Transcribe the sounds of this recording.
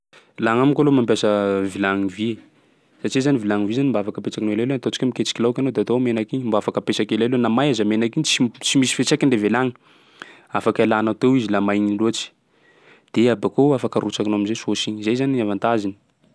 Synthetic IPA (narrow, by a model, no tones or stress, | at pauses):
laŋamikolomamp̬ʲjasəvilaŋivie | sat͡ʃizanivilaŋivizanimbaafakəpet͡sakinoelajlont̪ot͡si̥kamiket͡ʃi̥kʲilawkʲanod̪eat̪omenakiɲmbaafakəpesakelajlonamajazəmenakiɲt͡sit͡simisi̥fet͡sakiɳlevelaŋi̥ | afakalanat̪owizilamajɲiluat͡ʃi̥ | d̪̥eabakoafakəɾut͡ʃakinoaminzesosiɲizejzaniavant̪azini̥